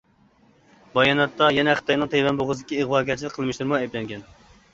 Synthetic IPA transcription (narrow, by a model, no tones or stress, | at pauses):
bɑjɑnɑt̪ːɑjɛnɛχət̪ɑjnɨŋt̪ʰevɛnboʁəzɨd̪ɪkʲiɨʁwɑːɡʲɛt͡ʃʰilɪkqʰːəlˠmɨʃt̪ɨɾmuɛjblɛŋɡʲɛn